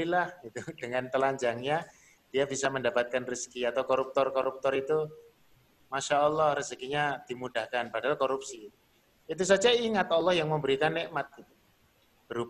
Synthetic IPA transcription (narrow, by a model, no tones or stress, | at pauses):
ilahɡit̪ud̥əŋant̪əlaɲd͡ʒaŋɲa | d̥ijabisaməndapat̪̚kanriskiat̪awkoɾup̚t̪ɔrkɔɾup̚t̪ɔɾit̪u | maʃaɔlːɔhriskiɲad̥imudahkanpadaalkoɾup̚si | it̪̬us̬ad͡ʒaiŋat̪ɔlːɔhjaŋməmbəɾikanːeʔmat̪̚ɡit̪u | b̥əɾup